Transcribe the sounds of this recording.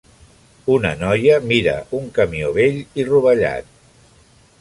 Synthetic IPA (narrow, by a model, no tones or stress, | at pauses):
unə̰nɔjəmiɾə̰uŋkəmioβeʎiruβəʎa̰t̪̚